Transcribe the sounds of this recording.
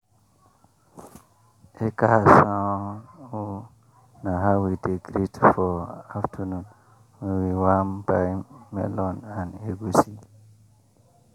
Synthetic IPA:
ʔekahasãu | naɦawideɡɾitfɔaftʰunun | wewiwambamɛ̰lɔnaneɡusi

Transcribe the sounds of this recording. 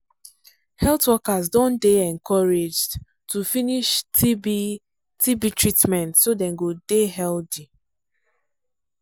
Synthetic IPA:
hɛltwɔkazdɔ̃ndeɛ̃ŋkʰɔɹed͡ʒ | tufiniʃtʰibi | tibitɹitmɛ̃ntsodɛ̃nɡodeɦɛldi

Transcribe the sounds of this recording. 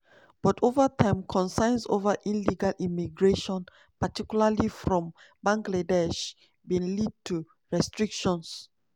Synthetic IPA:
b̥ɔtʰovətʰãɪ̃mkʰɔ̃nsãɪnso̰vəʔĩnliɡalʔimiɡɹeʃɔ̃n | patikjulalifɹɔ̃m | bãŋɡladɛʃ | bĩnlid̚tʰu | ɹɛstɹikʃɔ̃ns

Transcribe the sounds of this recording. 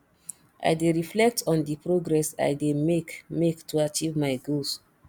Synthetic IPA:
ʔa̰jdeɹiflɛk̚tʰɔ̃ndipɹoɡɹɛsa̰jdemekmektuat͡ʃivmaɪɡos

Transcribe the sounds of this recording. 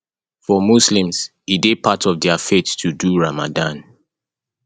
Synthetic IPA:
fɔmuslĩmz̥ | idepʰatʰɔvdɛafetːʰuduɹama̰dãn

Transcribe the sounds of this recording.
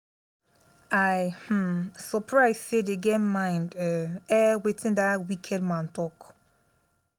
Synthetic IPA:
ajhm̩sɔpʰɹaɪz̥sedeɡɛmãɪ̃ndɛɛwetʰɪ̃ndawikʰɛd̚mãntɔk

